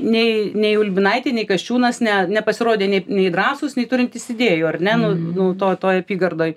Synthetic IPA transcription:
nʲɛɪnʲɛɪʊlʲbʲɪnɐɪt̪ʲeːnʲɛɪkɐʃʲt͡ʃʲuːnɐsnʲɛnʲɛpɐsʲɪɾoːd̪ʲeːnʲɛɪnʲɛɪd̪ɾɑːsʊsnʲɛɪt̪ʊɾʲɪnt̪ɪsʲɪd̪ʲeːjʊːɐrnʲɛnʊnʊt̪oːt̪oːjɐpʲiːɡɐrd̪oːj

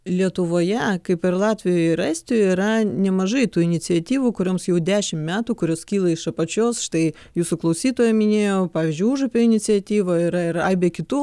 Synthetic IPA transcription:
lʲiɛt̪ʊʋoːjɛkɐɪpɪɾlˠɑːt̪ʲʋʲɪjoːjiɾɐsʲt̪ʲʊiɾɐnʲɛmɐʒɐɪt̪uːɪnʲɪt͡s̪ʲɪɛt̪ʲiːʋuːkʊɾʲoːmsjɛʊd̪ʲæːʃʲɪmmʲæːt̪uːkʊɾʲoːskʲiːlˠɐɪʃɐpɐt͡ʃʲoːsʃt̪ɐɪ | juːsʊklˠɐʊsʲiːt̪oːjɛmʲɪnʲeːjoːpɑːʋʲizʲd͡ʒʲʊɪuːʒɐpʲoːɪnʲɪt͡s̪ʲɪɛt̪ʲiːʋoɪɾɐɪɾɐɪbʲeːkʲɪt̪ʊ

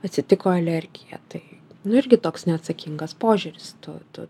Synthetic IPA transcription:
ɐt̪ʲsʲɪt̪ʲɪkoːɐlʲɛɾʲɡʲɪjɛ̰t̪ɐɪnʊɪɾʲɡʲɪt̪oːksnʲɛɐt̪sɐkʲɪŋɡɐspoːʒʲʊːɾʲɪst̪ʊ̰t̪ʊ

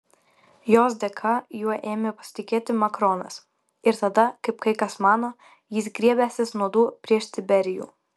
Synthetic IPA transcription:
joːs̬d̪ʲɛkʰɐjuɔʔeːmʲepɐ̥sʲɪ̥t̪ʲɪkʲeːt̪ʲɪmɐkɾɔnɐ̰s | ɪɾt̪ɐd̪ɐkɐɪpkɐɪkɐsmɑːnoː | jɪːs̬ɡɾʲiɛbʲæsʲɪsnuɔd̪uːpʲɾʲiɛʃsʲɪbʲɛɾʲɪjṵː

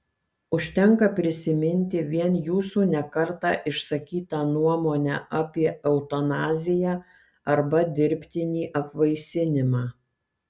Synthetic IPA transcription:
ʊʃʲt̪ʲɛŋkɐpʲɾʲɪsʲɪmʲɪnʲt̪ʲɪʋʲiɛnjuːsuːnʲɛkɐɾt̪ɑːʔɪʃsɐkʲiːt̪ɑːnuɔmoːnʲæʔɑːpʲiɛɛʊt̪onɑːzʲɪjæː | ɐɾbɐd̪ʲɪɾʲpʲt̪ʲɪnʲiːʔɐpʋɐɪsʲɪnʲɪmɑː

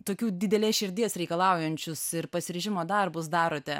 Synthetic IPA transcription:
t̪oːkʲuːd̪ʲɪd̪ʲɛlʲeːʃʲɪɾʲd̪ʲiɛsɾʲɛɪkɐlˠɐʊjɛnʲt͡ʃʲʊsɪrpɐsʲɪɾʲɛʒʲɪmoːd̪ɐrbʊsd̪ɑːɾoːt̪ʲɛ

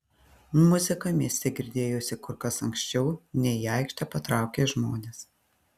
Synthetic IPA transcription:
mʊzʲɪkɐmʲiɛsʲt̪ʲɛɡʲɪɾʲd̪ʲeːjoːsʲɪkʊɾkɐsɐŋʲksʲt͡ʃʲɛʊnʲɛiɑˑɪkʃʲt̪ʲɛpɐt̪ɾɑˑʊkʲeːʒmoːnʲeːs

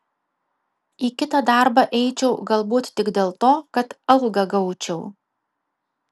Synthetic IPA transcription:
iːkʲɪt̪ɐd̪ɑːˑɾbɑʔɛɪt͡ʃʲɛʊɡɐlˠbuːt̪ʲt̪ʲɪɡd̪ʲeːlˠt̪oːkɐt̪ɐlˠɡɐɡɐʊt͡ʃʲɛʊ

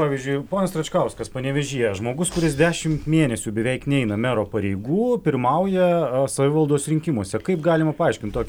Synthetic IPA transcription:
pɑːʋʲizʲd͡ʒʲʊɪpoːnɐsrɐt͡ʃʲkɐʊskɐspɐnʲɛʋʲɛʒʲiːjɛʒmoːɡʊskʊɾʲɪsd̪ʲæːʃʲɪmt̪mʲeːnʲɛsʲubʲɛʋʲɛɪknʲɛɪnɐmʲæɾoːpɐɾʲɛɪɡuːpʲɪɾmɐʊjɛsɐʋʲɪʋɐlˠd̪oːsɾʲɪŋʲkʲɪmuɔsʲɛkɐɪpɡɑːlʲɪmɐpɐɑɪʃkʲɪnt̪oːkʲ

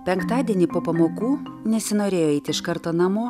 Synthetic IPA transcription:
pʲɛŋkt̪ɑːd̪ʲiɛnʲiːpoːpɐmoːkuːnʲɛsʲɪnoːɾʲeːjoːɛɪt̪ʲɪɪʃkɐɾt̪oːnɑmoː

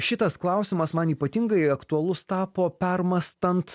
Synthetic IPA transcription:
ʃʲɪt̪ɐsklˠɐʊsʲɪmɐsmɐniːpɐt̪ʲɪŋɡɐɪɐkt̪ʊɐlˠʊst̪ɑːpoːpʲɛɾmɐst̪ɐnt̪

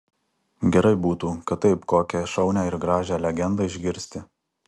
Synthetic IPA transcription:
ɡʲɛɾɐɪbuːt̪uːkɐt̪ːɐɪpkoːkʲɛʃɐʊnʲæːɪɾɡɾɑːʒʲæːlʲɛɡʲɛnd̪ɐɪʒʲɡʲɪɾʲsʲt̪ʲɪ

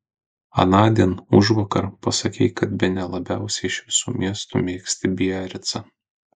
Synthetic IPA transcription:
ɐ̰nɑːd̪ʲinʊʒʋɐkɐɾpɐsɐkʲɛɪkɐt̪bʲɛnʲɛlˠɐbʲæˑʊsʲɛɪɪʃʋʲɪsṵːmʲiɛst̪ṵːmʲeːksʲt̪ʲɪbʲijɛːɾʲɪt̪sɐ

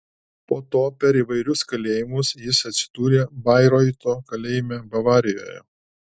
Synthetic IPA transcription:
poːt̪oːpʲɛɾiːˑʋɐɪɾʲʊskɐlʲeːjɪmʊsjɪsɐt̪ʲsʲɪ̥d̪uːɾʲeːbɐɪɾɔɪt̪oːkɐlʲeːjɪmʲɛbɐʋɑːɾʲɪjo̰ːjɛ̰

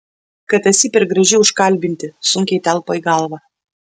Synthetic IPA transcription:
kɐt̪ɐsʲipʲɛɾɡɾɐʒʲɪʊʃkɐlʲbʲɪnʲt̪ʲɪsʊŋʲkʲɛɪt̪ʲɛlˠpoːiɡɐˑlˠʋɑː

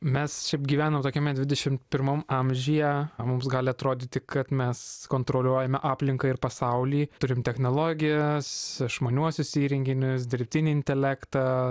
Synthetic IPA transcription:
mʲɛsʃʲɛɪpɡʲiːʋʲæːnomt̪oːkʲɛmʲɛdʲʋʲɪd̪ʲɛʃʲɪmt̪pʲɪrmomɑːmʲʒʲʊjɛmʊmsɡɑːlʲɪɐt̪ɾoːd̪ʲɪːt̪ʲɪkɐt̪mʲɛskoːnt̪ɾoːlʲuɔjɛmʲɛʔɑːpʲlʲɪŋkɐɪrpɐsɐʊlʲiːt̪ʊɾʲɪmt̪ʲɛxnoːlˠoːɡʲɪjɛsʒ̥moːnʲuɔsʲʊsʲiːɾʲɛŋʲɡʲɪnʲʊs̬d̪ʲɪɾʲpʲt̪ʲɪnʲɪɪnʲt̪ʲɛlʲæːkt̪ɑ

